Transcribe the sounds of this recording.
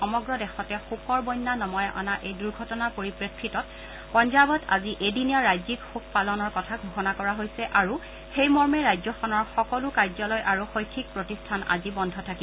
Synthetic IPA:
ɔmɔɡɹɔdɛxɔtɛxukɔɹbɔjnːanɔmɔjʔa̰naʔejduɹɡʱɔtɔnapoɹipɹekʰːɹitɔt̚ | pɔnzabɔta̰ziʔediniaɹajzikxuk̚ʰpalɔnɔɹkɔtʰaɡʱuxɔnakɔɹaɦojsɛʔaɹu | xejmɔɹmɛɹajzɔxɔnɔɹxɔkɔlukajzɔlɔjʔaɹuxojkʰːik̚pɹotistʰana̰zibɔndʱɔtʰaki

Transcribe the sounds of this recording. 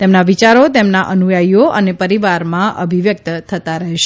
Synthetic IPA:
t̪emnaʋit͡ʃaɾot̪emnaʔənujaijoʔənepəɾiʋaɾmãʔəbʱiʋjək̚t̪t̪ʰət̪aɾəɦeʃ

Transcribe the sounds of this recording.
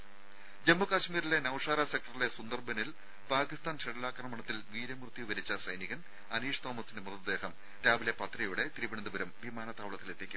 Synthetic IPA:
d͡ʑemːɐkaːɕmiːɾile̞nɐwʂaːɾasek̚ʈɐrile̞sund̪ɐrbɐnil | paːkist̪aːnt͡ɕeɽɐlaːkrɐmɐɳɐt̪ːilʋiːɾɐmrt̪jiʋɐɾit͡ɕːɐsɐjniɣɐn | ɐniːʂt̪o̞ːmɐsindemuðɐd̪e̞ːɦɐm | ɾaːʋile̞pɐt̪rɐjuɽe̞t̪iɾibɐɳɐnd̪uʋɐɾɐmʋimaːnɐt̪ːaːʋɭɐt̪ːilet̪ːe̞ːkʲːum

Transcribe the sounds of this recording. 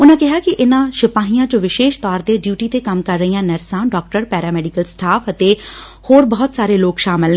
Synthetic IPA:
ʊnãːkɪɦaːkɪʔɪnãːʃɪpaːɦijãːt͡ʃõʋɪʃeːʃt̪ɔːɾd̪eːɖjuːʈiːt̪eːkəmkəɾːəijãːnɛɾsãːnɖɔːk̚ʈəɾpɛːɾaːmɛːɖɪkəlsʈaːfət̪eː | hoːɾbɔːʊt̪saːɾeːloːkʃaːmɪl

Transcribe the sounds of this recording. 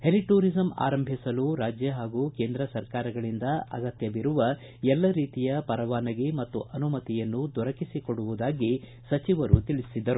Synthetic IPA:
heliʈuːɾizɐma̰ːɾɐmbʱisɐluɾaːd͡ʒjɐɦaːɡuːke̞ːnd̪ɾɐsɐɾkaːɾɐɡɐɭind̪ɐɐ̰ɡɐt̪jɐʋiɾuʋɐ | ɛlːɐɾiːt̪ijɐpɐɾɐʋaːnɐɡemɐt̪ːuʔɐnumɐt̪ijɐnːud̪ʱɔɾɐkisikoɽuʋud̪aːɡi | sɐt͡ʃiʋɐɾut̪iɭisid̪ːɐɾu

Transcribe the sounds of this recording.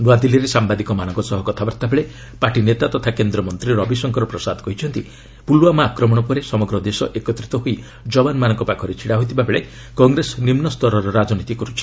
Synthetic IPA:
ɾuad̪iliɾesambad̪ikɔmanɔ̃ŋkɔsɔɦɔkɔt̪ʰabaɾt̪abeɭe | paɾʈinet̪at̪ɔt̪ʰakend̪ɾɔmɔnt̪ɾiɾɔbisɔŋkʰɔɾɔpɾɔsad̪ɔkɔɦit͡ʃʰɔnt̪i | pulwamaːkɾɔmɔɽ̃ɔpɔɾesɔmɔɡɾɔd̪esɔʔekɔt̪ɾit̪ɔɦoi | d͡ʒɔbanmanɔŋkɔpakʰɔɾet͡ʃʰiɽaɦot̪ʰibabeɭe | kɔŋɡɾesɔnimnɔst̪ɔɾɔɾɔɾad͡ʒɔnit̪ikɔɾut͡ʃʰi̥

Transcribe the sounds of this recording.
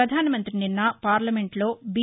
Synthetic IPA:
ɐd̪ʱaːnɐmɐnt̪ɾininːaːpaːɾlɐme̞ɳʈlo̞ːbi

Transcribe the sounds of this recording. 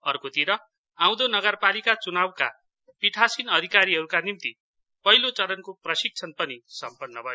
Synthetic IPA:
ʌrkot̪iɾʌ | ãw̃d̪onʌɡʌrpalikat͡sunawka̰ | piʈʰasinʌd̪ʱikaɾiɦʌɾukanimt̪i | pʌɦilot͡sʌɾʌnkoprʌsik̚t͡sʰʌnpʌnisʌmpʌnːʌbʱʌjo

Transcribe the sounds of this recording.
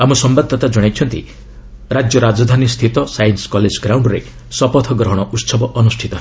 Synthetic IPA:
amɔsɔmbad̪ʱːɔt̪ad͡ʒɔɽ̃ajt͡ʃʰɔnt̪ḭ | ɾad͡ʒjɔɾad͡ʒɔd̪ʱanist̪ʰit̪ɔsajnskɔled͡ʒɡɾawɳɖɾḛ | sɔpɔt̪ʰɔɡɾɔɦɔɽ̃ɔʔut̪sɔbɔʔɔnusʈʰit̪ɔɦe

